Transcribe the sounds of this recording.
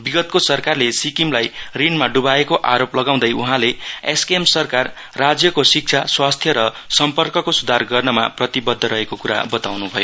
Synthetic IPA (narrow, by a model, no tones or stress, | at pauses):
biɡʌt̪̚kosʌrkarlesikimlajrinmaɖubaekoʔaɾoplʌɡaw̃d̪ʌjuɦãleeskemsʌrkarː | ad͡zjʌkosik̚t͡ʃʰaswast̪ʰjʌɾʌ | sʌmpʌrkʌkosud̪ʱarɡʌrnʌma̰prʌt̪ibʌd̪ʱːʌɾʌɦekokuɾa̰bʌt̪awnubʱʌjo